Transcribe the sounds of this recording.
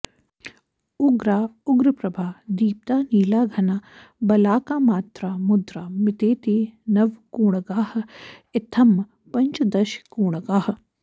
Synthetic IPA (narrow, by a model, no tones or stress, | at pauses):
ʊɡɾaːʊɡɾɐpɾɐbʱaːd̪iːp̚t̪aːniːlaːɡʱɐnaː | bɐlaːkaːmaːt̪ɾaːmʊd̪ɾaːmɪt̪eːt̪iːnɐʋkuːɳɐɡaːhɐ̆ɪt̪ʰɐm | pɐɲt͡ʃd̪ɐʃkuːɳɐɡaːhɐ